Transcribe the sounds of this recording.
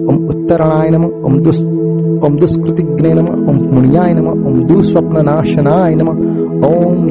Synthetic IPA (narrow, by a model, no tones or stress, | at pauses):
omut̪ːɐɾɐɳaːjɐnɐmɐ | o̰md̪u | omd̪uskɾut̪iɡneːnɐmɐommuɳjaːjɐnɐmɐomd̪uːsʋwɐpnɐnaːʃɐnaːjɐnɐmɐ | om